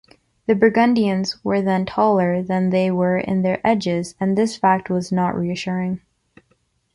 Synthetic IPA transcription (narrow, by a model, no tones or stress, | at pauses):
ðɨbəɡʌ̃ndiɨ̃nzwə˞ðɨ̃ntʰɔlˠə˞ðɨ̃nðeɪwə˞ʔɪ̰̃nðə˞ʔɛd͡ʒɪzɨ̃nðɪsfæk̚t̚wʌznəʔɹiɨʃʊɹɪ̃ŋ